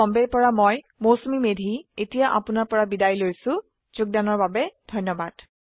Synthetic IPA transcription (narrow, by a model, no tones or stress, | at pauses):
ɔmbɛɹpɔɹamoj | mowsomimedʱietijaʔa̰pʊnaɹpɔɹabidajlojsʊ̃ | z̥ʊɡ̚danɔɹbabɛdʱɔjnːɔbad̥